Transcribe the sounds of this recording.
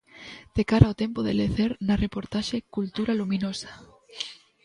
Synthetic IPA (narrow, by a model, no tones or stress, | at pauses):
d̪̥ekaɾaot̪empoðḛleθeɾnarepoɾt̪aʃekult̪uɾalumĩnosḁ